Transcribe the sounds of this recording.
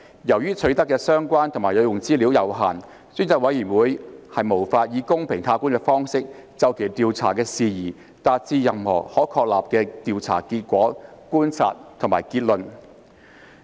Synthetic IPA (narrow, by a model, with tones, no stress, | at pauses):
jɐ˨˩wjyː˥t͡sʰɵ˨˥t̪ɐ˥kːɛː˧sœː˥ŋkʷaː˥nt̪ʰʊ˨˩ŋmaː˨˩lɵ˨˧ɥjʊ˨˩ŋt͡siː˥li˨˥wjɐ˨˧wɦaː˨˩n | syː˥nt͡sɐ˧k̚wɐ˨˥jiː˨˩wuː˨˧jhɐ˨jmo˨˩wfaː˧t̚jiː˨˧kʊ˥ŋpʰɪ˨˩ŋt̪ʰaː˧kuː˥nkɛː˧fɔː˥ŋsɪ˥k̚t͡sɐ˨˧wkʰe˨˩jt̪iː˨˧wt͡sʰa̰ː˨˩kɛː˧siː˨˧jiː˨˩ | t̪aː˧t̚t͡siː˧jɐ˨mhɔ̰ː˨˩hɔː˨˥kʰɔː˧k̚laː˨p̚kɛː˧t̪iː˨wt͡sʰa̰ː˨˩ki˧t̚kʷɔː˨˥kuː˥nt͡sʰa̰ː˧t̚t̪ʰʊ˨˩ŋmaː˨˩jkiː˧t̚lɵ˨n